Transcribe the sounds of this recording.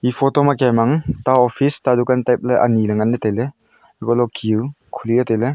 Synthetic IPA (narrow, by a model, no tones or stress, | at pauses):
ipʰotɔmakajmaŋtaɔpʰistadukantajp̚leʔa̰nilɐŋanːɐtejle | kɔlɔkʰiu | kʰuliɾɐtele